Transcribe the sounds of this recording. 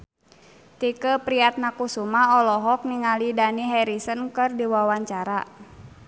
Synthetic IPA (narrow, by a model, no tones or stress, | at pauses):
t̪ikəpɾiat̪̚nakusumaɔlɔɦɔk̚niŋalidaniɦɛɾisənkərdiwawaɲt͡ʃaɾa